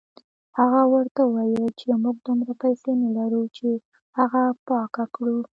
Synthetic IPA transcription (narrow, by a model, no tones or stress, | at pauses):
haɣawəɾt̪awɑjəlt͡ʃemuɡ̚d̪umɾapajsenalaɾut͡ʃe | haɣapɑkakɽu